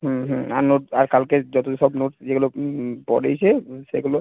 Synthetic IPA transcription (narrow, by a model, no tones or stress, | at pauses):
ɦɦũaɾnoʈaɾkalked͡ʑɔt̪oʃɔbnoʈd͡ʑeɡulopɔ̰ɾḛjt͡ɕʰeʃḛɡulo